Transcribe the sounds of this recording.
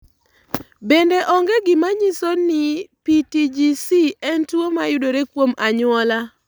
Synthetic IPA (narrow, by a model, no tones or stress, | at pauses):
bendeʔɔŋɡeɡɪmaɲisonɪpitid͡ʒisiɛntwomajʊdoɾekwomaɲʊɔla